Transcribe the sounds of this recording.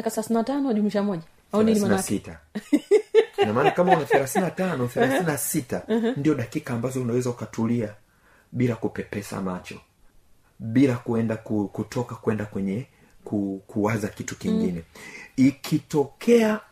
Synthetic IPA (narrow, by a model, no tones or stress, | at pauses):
akaθɛlaθinatanɔʄumiʃamɔʄa | auiinasita | knamaːnakamaunaθɛlaθinatanɔθɛlaθinasitandiɔɗakikaːmbazɔunawɛzaukatulia | ɓilakupɛpɛsa̰mat͡ʃɔ | ɓilakuɛndakukutʰɔkakwɛndakwɛɲɛ | kukʰuwazakitu̥kiŋɡinɛikʰitɔkʰɛa